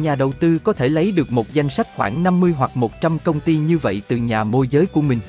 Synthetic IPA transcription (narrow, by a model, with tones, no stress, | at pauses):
ɲaː˨˩ɗə˨˩wt̪ɨ˧kɔ˨˦t̪ʰe˧˩lə˨˦jɗɨ˨˩ək̚mo˨˩t̚za˧jŋ̟sa˦˥k̟̚xwaː˧˩ŋna˧mːɨ˧əjɦwa˨˩k̚mo˨˩t̚t͡ɕa˧mkə˧wŋ͡mt̪i˧ɲɨ˧və̰˧˨jt̪ɨ˨˩ɲaː˨˩mo˧jzəː˨˦jku˧˩əmï˨˩ŋ̟